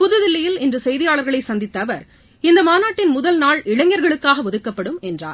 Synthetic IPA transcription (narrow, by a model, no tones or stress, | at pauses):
pʊðɯðɪlːɐjɪlɪndrɯsɛjðɪjaːɭɐɾɣɐɭɐɪsɐnd̪ɪt̪ːɐʋɐɾ | ɪnd̪ɐmaːnaːʈːɪnmʊðɐlnaːɭɪɻɐŋjɐɾɣɐɭɯkːaːɣɐʋɔðɯkːɐpːɐɽɯmɛndra̰ːɾ